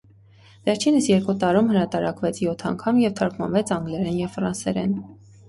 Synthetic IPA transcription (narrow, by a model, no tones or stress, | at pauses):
vɛɾt͡ʃʰinəsjɛɾkut̪ɑɾumhəɾɑt̪ɑɾɑkvɛt͡sʰjɔt̪ʰɑŋkʰɑmjɛvt̪ʰɑɾkmɑ̰nvɛt͡sʰɑŋɡlɛɾɛnjɛvfɾɑnsɛɾɛ̰n